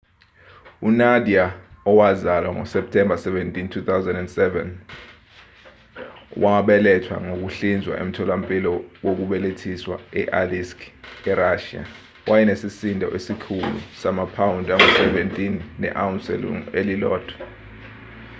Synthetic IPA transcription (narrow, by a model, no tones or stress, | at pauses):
unadiaɔwazalwaŋɔ̰sɛp̚tʰɛmbʱasɛvɛntʼintʰut̪ʰawzɛndɛndsɛvɛ̰n | wʔaɓɛlɛtʰwa̰ŋok̬uɬind͡zʱwa̰ʔem̩tʰɔlampʼilɔwok̬uɓɛletʰiswa̰ɛʔaliskʰɛɾaʃia̰ | wʔajɛnesisindʱɔ̰ʔesikʰulṵsamapʰawundʱaŋɔsɛvɛntʼinːɛ̰ʔawunsɛ̰l̰ŋelilɔ̰ːd̥ʰʱʼwɔ̥